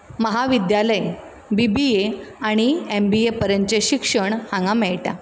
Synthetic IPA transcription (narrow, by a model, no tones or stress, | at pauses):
məɦaʋid̪jaləj | bibieaɽ̃iembiepəɾəɲt͡ɕeɕikʂəɳhãŋɡamɛɭʈja̰